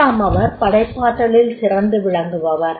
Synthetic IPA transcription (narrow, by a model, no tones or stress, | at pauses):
aːmɐʋɐɾpɐɽɐɪpːaːʈːɐɭɪlsɪrɐnd̪ɯʋɪɻɐŋɡɯʋɐʋɐɾ